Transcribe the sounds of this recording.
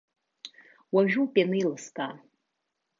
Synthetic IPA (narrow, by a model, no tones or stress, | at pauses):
waʒᶣupʼenɨilɨskʼa